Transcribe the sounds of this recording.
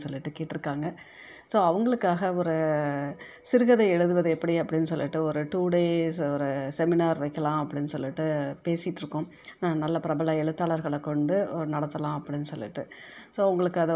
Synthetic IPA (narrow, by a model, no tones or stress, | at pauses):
sɔlːɪʈːɯkeːʈːɪɾɯkːaːŋɡɐ | soːɐʋɐŋɡɐɭɯkːaːɣɐɔɾɯ | sɪɾɯɣɐðɐɛɻɯðɯʋɐðɛɛpːɐɽiɐpːɐɽɪnːɯsɔlːɪʈːɯɔɾɯʈuːɽeːsɔɾɯsɛmɪnaːɾʋɐɪkːɐlãːɐpːɐɽɪnːɯsɔlːɪʈːɯpeːsɪʈːɾɯkːʊ̃nãːnɐlːɐpɪɾɐbɐlaɛɭɯt̪ːaːɭɐɾɣɐɭɛkːɔɳɖɯɔɾɯnɐɽɐt̪ːɐlãːɐpːɐɽɪnːɯsɔlːɪ̰ʈːɯsoːɐʋʊŋɡɐɭɯkːɐðɐ